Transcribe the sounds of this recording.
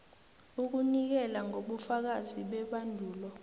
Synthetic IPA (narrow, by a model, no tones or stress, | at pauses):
uk̬unik̬ɛlaŋoɓufak̬aziɓɛɓandʱuːlɔ